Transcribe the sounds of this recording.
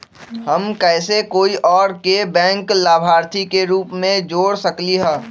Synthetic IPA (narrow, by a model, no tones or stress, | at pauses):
həmkɛːsekoːiʔɔːɾkebɛ̃ːŋklaːbʱaːɾt̪ʰikeɾuːpmẽd͡ʒoːɽsəkliɦɛ̃ː